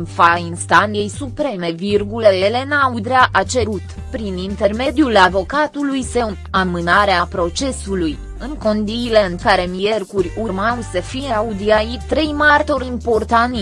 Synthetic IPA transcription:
nfainst̪anjejsupɾe̞me̞virɡule̞le̞naud̪ɾeaʔat͡ʃe̞ɾut̪ | pɾinint̪e̞rme̞d̪ijulavo̞kat̪ulujseu | amɨnaɾeapɾo̞t͡ʃe̞suluj | ɨŋko̞nd̪iːle̞ɨŋkaɾe̞mije̞rkurʲuɾmawsəfijeaud̪iajit̪ɾe̞jmart̪o̞ɾimpo̞rt̪an

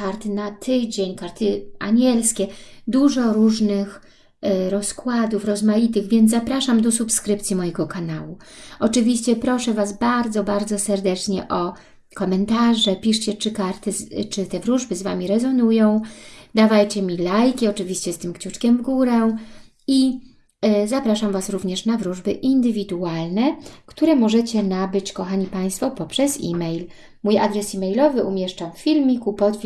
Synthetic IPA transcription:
kaɾt̪ɘnat̪ʰɘd͡ʑeɲkaɾt̪ɘʔaɲɛlskʲɛd̪uʐɔɾuʐnɘx | ɾɔskwad̪ufɾɔzmajit̪ɘɣvʲjɛnt̪zapɾaʂamd̪ɔsupskɾɘpt̪sʲjimɔjɛɡɔkanawuɔt͡ʂɨvʲiɕt͡ɕɛpɾɔʂɛvasbaɾd̪zɔbaɾd̪zɔsɛɾd̪ɛt͡ʂɲɛ̰ʔɔ | kɔmɛnt̪aʐɛpʲiʂt͡ɕɛt͡ʂɘkaɾt̪ɘt͡ʂɘt̪ɛvɾuʐbɘzva̰mʲiɾɛzɔnujɔ̃w̃d̪avajt͡ɕɛmʲilajkʲiɔt͡ʂɘvʲiɕt͡ɕɛst̪ɘmkt͡ɕut͡ʂkʲɛmvɡuɾɛ | i | zapɾaʂamvasɾuvɲɛʂnavɾuʐbɘʔind̪ɘvʲid̪ualnɛkt̪uɾɛmɔʐɛt͡ɕɛnabɘt͡ɕkɔxaɲipaj̃st̪fɔpɔpʂɛsḭmɛjl | mujad̪ɾɛsimɛjlɔvɘʔumʲjɛʂt͡ʂamffʲilmʲikupɔt̪fʲ

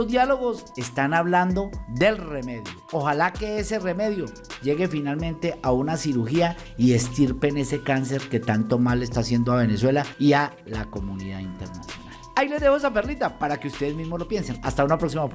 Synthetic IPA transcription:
ozd̪jalo̞ɣo̞se̞st̪anaβland̪o̞ðe̞lre̞me̞ðjooxalake̞ese̞re̞me̞ðjo̞ | d͡ʒe̞ɣe̞finalmẽ̞nt̪e̞ʔaunasiɾuxia | ie̞st̪iɾpe̞ne̞se̞kans̬e̞ɾke̞t̪ant̪o̞male̞st̪asje̞nd̪oaβe̞ne̞swe̞laia | lako̞muniðaðint̪e̞ɾna̰sjo̞̰na̰laileðehoes̬aperlit̪apaɾake̞ust̪eðezmizmo̞zlo̞pje̞nsenast̪aunapɾo̞ksimap

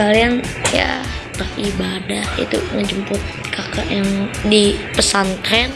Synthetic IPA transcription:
alianja̰ | t̪əribadahḭt̪ṵŋəɲd͡ʒəmpʊt̪̚kʰakaʔɛŋdipəsant̪ɾɛn

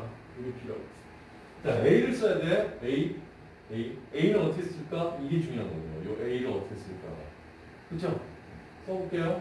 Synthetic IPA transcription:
uɾepʰiɾʌ | t͡ɕ͈aeiɾɯɭs͈ʌjadeei | eieiɾɯɭʌtʰes͈ɯɭk͈aiɡe̞t͡ɕuŋianɡʌɲejo̰joʔeiɾɯɭʌtʰes͈ɯɭk͈a̰ | kɯt͡ɕʰo | s͈ʌbok͈ejo

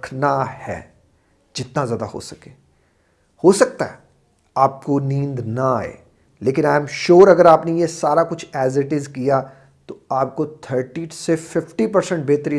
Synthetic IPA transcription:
kʰnahɛ̰ː | d͡ʒɪt̪nazjaːd̪a̰ho̰ːsɐ̥keː | hoːsɐk̚t̪aɦɛ | aːp̚konĩːnd̪naaːḛː | leːkɪnaːɪmʃoːɾɐɡəɾaːpnejesaːɾakʊt͡ʃʰɛːzɪʈɪzkija | t̪oaːp̚kot̪ʰəɾʈiʈsefɪfʈipɐɾsɛ̃ɳʈ̚beːt̪ɾi

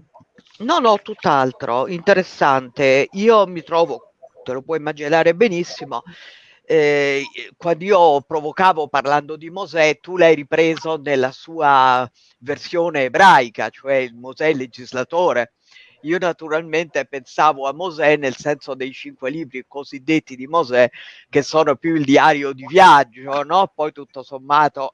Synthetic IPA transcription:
nɔnɔt̪ːut̪ːalt̪ɾo̰int̪eɾesːant̪eiːomit̪ɾɔːvo | t̪elopwɔimːad͡ʒinaːɾebenisːimo | ɛ | kwand̪iːopɾovokaːvoparland̪od̪imozɛt̪ːulajɾipɾeːzonelːasuːa | versjoːneːbɾajka̰t͡ʃoɛilmozɛled͡ʒizlat̪oːɾe | iːonat̪uɾalment̪epensaːvoamːozɛnːelsɛnsod̪ejt͡ʃiŋkweliːbɾikozid̪ːet̪ːid̪imozɛk̟esːɔːnopjuild̪iaːɾjod̪ivjad͡ʒːonɔpɔjt̪ut̪ːosomːaːt̪o

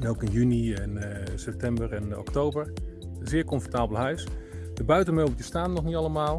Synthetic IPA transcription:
ɛnowkənjyniɛnsɛp̚tɛmbəɹɛnɔ̰ktowbəɹ | ənzɪːɹkɔɱfɔɹtaːbəlˠɦœɥs | dəbœɥtənmɪlˠbəjəstaːnnɔχnitɑləmaːlˠ

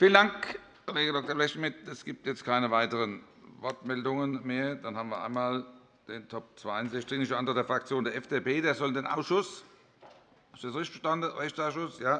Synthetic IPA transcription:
fiːlənd̥aŋk | koleːɡədɔk̚tɐblɛçtmɪtɛsɡ̥iːp̚tjɛt͡stkʰaɪnəvaɪtəʁən | vɔɐtmɛldʊŋənmeːɐd̥anhaːbənviːɐʔa̰ɪnmaːl | d̥eːntʰɔp̚t͡sv̥aɪaɪnzɛçtt͡sɪknɪʃtʔandʁəd̥eːɐfʁak̚t͡sjoːndeːɐɛfd̥epʰeːdeːɐzɔldeːnʔa̰ʊsʃʊs | asdesʁɪçtfəʃtandəʁɛçtt͡saʊsʃʊsjaː

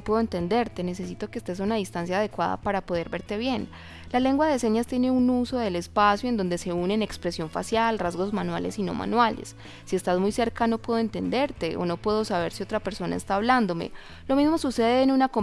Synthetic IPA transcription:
pweðoent̪e̞nd̪e̞ɾt̪e̞ne̞se̞sit̪o̞keːst̪es̬unaðist̪ans̬jaːð̞e̞kwaða̰paɾapo̞ð̞e̞ɾbe̞ɾt̪eβje̞n | lale̞ŋɡwaðe̞se̞ɲast̪jene̞unuso̞ðe̞le̞spasjoe̞nd̪ond̪ese̞une̞ne̞kspɾesjo̞ɱfa̰sjalrazɣo̞zmanwale̞̰sino̞̰ma̰nwale̞̰sː | iest̪azmujse̞ɾkano̞pweðoe̞nt̪e̞nd̪e̞ɾt̪e̞ʔo̰no̞pwe̞ð̞o̞saβ̞e̞ɾsio̞t̪ɾapeɾso̞na̰e̞st̪aːβland̪o̞mḛ | lo̞mizmo̞suse̞ðeːnunako̞

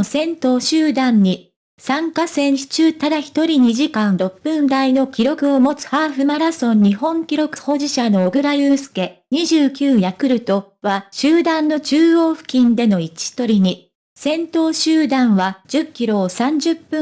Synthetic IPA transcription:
sẽ̞nt̪o̞ːɕɨːd̪ãɲ̟ːi | sãŋkasẽ̞ɰɕi̥t͡ɕɨːt̪ad̪açi̥t̪o̞ɾʲiɲ̟iʑikãnɾo̞pːɯ̃nd̪aino̞kʲiɾo̞kɯ̟o̞mo̞t͡sɨ̥haːɸɯ̟maɾasõ̞ɲ̟ːiɦõ̞ŋkʲiɾo̞kɯ̟̥ho̞ːʑiɕano̞ːɡɯ̟ɾajɯːsɨ̥ke̞ɲ̟iʑɨːkʲɨːjakɯ̟ɾɯ̟t̪o̞ | βaɕɨːd̪ãnːo̞t͡ɕɨːo̞ːɸɯ̟̥kʲĩnd̪e̞no̞it͡ɕi̥t̪o̞ɾʲiɲ̟i | sẽ̞nt̪o̞ːɕɨːd̪ãɰ̃βad͡ʑ̥ɨkʲːiɾo̞ːsãɲ̟d͡ʑɨpːɯ̃

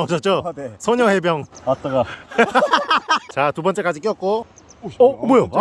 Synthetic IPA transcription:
ʌd͡ʑʰʌt̚t͡ɕ͈osʰʌɲʌhe̞bjʌŋta | t͡ɕat̪ubʌnt͡ɕ͈ek͈ad͡ʑik͈jʌk̚k͈oʌbojo

